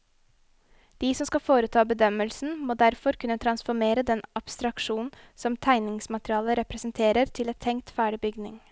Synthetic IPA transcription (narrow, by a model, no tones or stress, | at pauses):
d̪̥iːsɔmskɑfoːɾət̪ʰɑːbəd̪œməlsn̩moːd̪æɾfɔɾkʉnət̪ʰɾɑnsfɔɾmeːɾəd̪ɛnɑpst̪ɾɑkʃuːnsɔmt̪ʰæɪnɪŋsmɑt̪ɾɪɑːləɾɛpɾəsənt̪ʰeːɾəɾt̪ʰɪlɛt̪ʰːɛŋt̪fæːɖɪbʏɡnɪŋ